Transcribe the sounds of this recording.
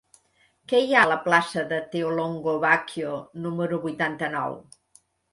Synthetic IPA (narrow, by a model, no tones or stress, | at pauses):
kɛjaləplasəðət̪eoloŋɡoβakjonuməɾuβujt̪ant̪ənɔ̰w